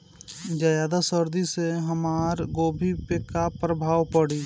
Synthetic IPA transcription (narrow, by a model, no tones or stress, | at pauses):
d͡ʒajaːd̪asəɾd̪iseɦəmaːɾɡoːbʱipekapɾəbʱaːwpəɽiː